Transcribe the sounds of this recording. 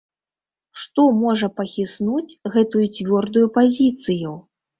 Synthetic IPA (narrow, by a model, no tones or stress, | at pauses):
ʂt̪ɔmɔʐɐpɐxʲisnut͡sʲɣɛt̪ujut͡sʲvʲɔrd̪ujupazʲit̪sɨju